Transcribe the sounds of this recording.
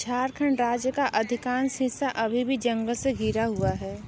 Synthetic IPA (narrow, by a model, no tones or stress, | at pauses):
t͡ʃʰaːɾkʰəɳɾaːd͡ʒjəkaʔɐd̪ʱɪkaːnsɦɪsaʔɐbʱibʱid͡ʒɐ̃ŋɡəlseɡʱiːɾaɦuaɦɛː